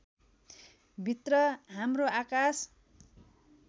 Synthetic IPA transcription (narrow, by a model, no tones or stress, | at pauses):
bʱit̪rʌɦamroakas